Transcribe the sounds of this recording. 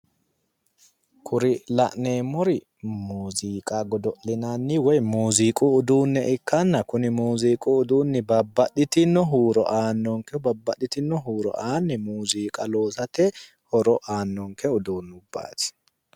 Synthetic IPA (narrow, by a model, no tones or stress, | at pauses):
kʰʊɾɪlɐ̰ʔneːmːɔɾɪ | muːziːkʼaɡɔd̪ɔʔlɪnanːɪwɔjmuːziːkʼuːd̪uːnːɛʔɪkːɐnːɐkʊnɪmuːziːkʼuʊd̪uːnːɪbɐbːɐɗɪt̪ɪnːɔɦuːɾɔ̰ʔaːnːɔŋkɛbɐbːɐɗɪt̪ɪnːɔɦuːɾɔ̰ʔaːnːɪmuːziːkʼɐlo̞ːsɐt̪ɛ | hɔɾɔʔaːnːɔŋkɛʊd̪uːnːʊbːa̰ːt̪ɪ̥